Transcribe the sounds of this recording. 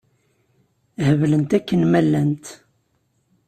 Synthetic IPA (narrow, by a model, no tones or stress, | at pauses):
həvlənt̪ækːənmælːænt̪